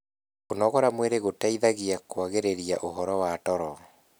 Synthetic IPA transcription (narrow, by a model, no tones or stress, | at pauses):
konɔɣɔɾamweɾeɣotaiðaɣiakwaɣeɾeɾiaʔoɦɔɾɔwatɔɾɔ